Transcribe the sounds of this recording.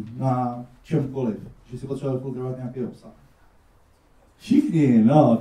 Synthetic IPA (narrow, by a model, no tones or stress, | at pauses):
nat͡ʃɛmkolɪfʒɛsɪpot̪sɛakolzɾovat̪̚ɲaakɛjopsax | ʃɪxɲɪno